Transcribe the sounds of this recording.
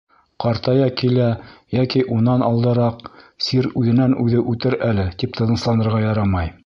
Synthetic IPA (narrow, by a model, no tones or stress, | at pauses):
qɑɾt̪ɑjɑkilæjækiʔunɑnɑlˠd̪ɤ̆ɾɑqsiɾʉðɘ̆nænʉðɘʔʉt̪ɘɾælɘt̪ip̚t̪ʰɤ̆ðɤ̆slˠɑnɤ̆ɾʁɑjɑɾɑmɑj